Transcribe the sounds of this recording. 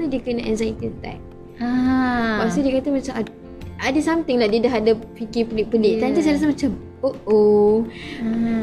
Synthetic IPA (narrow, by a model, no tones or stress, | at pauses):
ədiəkənaʔɛnzajt̪idt̪a̰k̚ | apasədiəkat̪amat͡ʃama | adəsamt̪ɪŋlahdiədaɦadapikipəlɪʔ̚pəlɪʔ̚t̪ant̪isajlas̬amat͡ʃam | oʔo